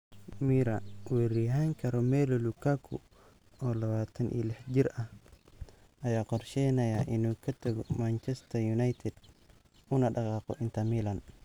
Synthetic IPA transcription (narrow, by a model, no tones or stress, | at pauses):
miːɾɐwɛɾiɦaŋkʰɐɾɔmɛːlɔlukʰakʰʊ̰ | ɔːlɐβaːt̪ʰɐnʔḭːlɛħd͡ʒɪɾɐh | ɐjaːqɔrʃɛjnɐjɐʔɪnuːkʰɐt̪ʰɐɣɔmant͡ʃɛst̪ʰɐjunajt̪ʰɛd̪ | ʊnɐɖɑqɑːqɔ̰ʔɪnt̪ʰɐmiːlɐn